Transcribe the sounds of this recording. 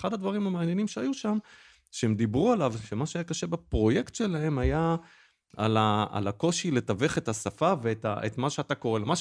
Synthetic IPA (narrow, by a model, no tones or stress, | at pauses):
χad̪ad̪vaʁimamaːnjenimʃeajuʃam | ʃeemd̪ibʁualavʃemaʃeajakaʃebapʁo̞je̞kt̪ʃe̞lae̞maja | a̰laa̰lako̞ʃilet̪ave̞χe̞t̪hasafaveet̪a̰ʔet̪maʃeat̪ako̞ʁe̞lemaʃ